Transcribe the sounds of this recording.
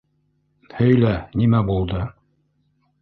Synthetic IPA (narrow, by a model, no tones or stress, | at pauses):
hɵ̆jlænimæbulˠd̪ɤ